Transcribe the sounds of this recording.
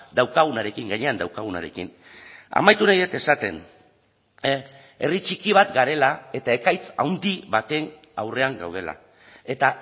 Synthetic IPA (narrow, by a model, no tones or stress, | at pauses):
d̪awkaɣ̞unaɾe̞kiŋɡaɲe̞and̪awkaɣuna̰ɾe̞kḭn | a̰majt̪unajðet̪e̞sat̪e̞̰n | e̞rit͡ʃikiβ̞at̪ɡaɾe̞lae̞t̪ae̞kajt͡sa̰wnd̪iβat̪e̞ŋ | a̰wre̞aŋɡawð̞e̞la̰ | e̞t̪a